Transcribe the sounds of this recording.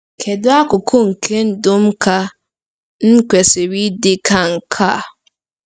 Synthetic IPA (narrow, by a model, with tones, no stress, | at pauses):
kʰe˨dʊ˦a˦kʊ˨kʰʊ˦ŋ̩˨kʰe˦n̩˦dʊ˦m̩˦ka˦ | n̩˦kʷe˨sɪ˨ɾi˦dɪ˦kʰa˦ŋ̩˨kʰa˦˨